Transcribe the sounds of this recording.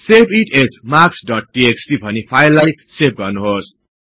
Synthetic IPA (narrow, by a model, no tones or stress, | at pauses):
sepiʈesmaksɖʌʈ̚ʈieksʈibʱʌnipʰajlːajsep̚ɡʌrnuɦos